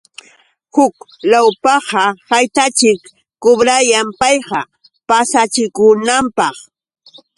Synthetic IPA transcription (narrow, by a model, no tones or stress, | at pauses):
hʊklawpɑhɑhajt̪at͡ʃɪkː | ʊbɾajampɑjɢɑ | pasat͡ʃɪkʊnampɑχ